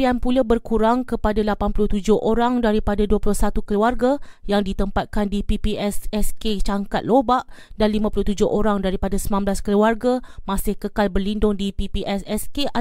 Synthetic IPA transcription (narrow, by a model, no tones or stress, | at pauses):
ianpulabərkuɾaŋkəpadalapanpuluht̪ud͡ʒʊhʔoɾaŋdaɾipadaduapulʊhsat̪ukəluarɡajaŋdit̪əmpat̪̚kandipipiʔɛsɛsket͡ʃaŋkat̪̚lobaʔdanlimãpuluht̪ud͡ʒʊɦʔoɾaŋdaɾipadasəmãmblaskəluarɡamãsɪhkəkalbərlindʊŋdipipiʔɛsɛskea